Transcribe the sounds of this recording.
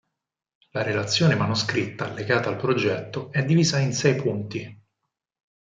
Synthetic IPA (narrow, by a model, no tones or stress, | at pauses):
laɾelat̪sːjoːnemanuskɾit̪ːaleɡaːt̪aːlpɾod͡ʒɛt̪ːoɛd̪ːiviːzainsɛjpʰunt̪i